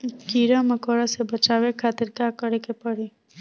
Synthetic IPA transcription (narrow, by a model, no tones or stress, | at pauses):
kiːɾamɐkoːɽasebɐt͡ʃaːwekʰaːt̪ɪɾkaːkəɽekepɐɽi